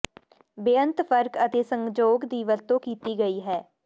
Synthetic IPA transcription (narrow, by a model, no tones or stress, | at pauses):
bɪənt̪pʰəɾkət̪eːsəŋɡd͡ʒoːɡd̪iːʋət̪õːkiːt̪iːɡəiːɦɛː